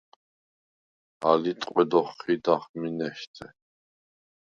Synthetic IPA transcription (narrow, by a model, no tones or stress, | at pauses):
a̰lit̪ʼqʼwɛd̪ɔχːid̪aχminɛʃt̪ʰɛ